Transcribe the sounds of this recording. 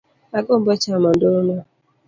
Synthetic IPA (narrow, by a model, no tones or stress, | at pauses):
akʊm̩bɔt͡ʃamɔn̩dʊʊnɔ